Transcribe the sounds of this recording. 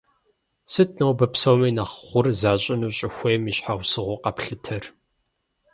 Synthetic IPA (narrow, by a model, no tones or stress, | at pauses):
sɨt̚ʰnɐwbɐpsowmiːnaχχʷʊrzaːɕʼɪnuːɕʼɪxʷeːmiɕħawsɨʁʷʊqɐpɬɨtʰɐr